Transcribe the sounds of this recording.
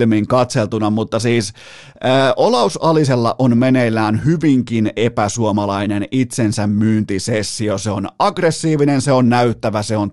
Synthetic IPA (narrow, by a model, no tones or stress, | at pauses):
lmiŋkɑt̪selt̪unɑmut̪ːɑsiːs | əʔolɑusɑliselːɑ̰ʔonmenelːˑæːnhyʋiŋkinepæsuomɑlɑinenit̪sensæmmyːnt̪isesːioseonɑɡresːiːʋinenseonːæyt̪ːæʋæseon